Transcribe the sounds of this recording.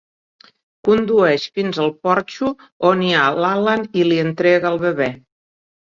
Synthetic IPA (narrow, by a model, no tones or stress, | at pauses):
kund̪uɛʃfinzəlˠpɔɾt͡ʃu | onialaləniliənt̪ɾɛɣəəlˠβəβɛ